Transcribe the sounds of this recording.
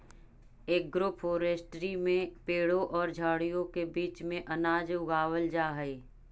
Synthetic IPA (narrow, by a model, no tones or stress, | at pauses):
eːk̚ɡɾoːpʰoːɾeːsʈɾimẽpeːɽõʔɔːɾd͡ʒʱaːɽijõkebiːt͡ʃmẽʔɐnaːd͡ʒʊɡaːwəld͡ʒaːɦe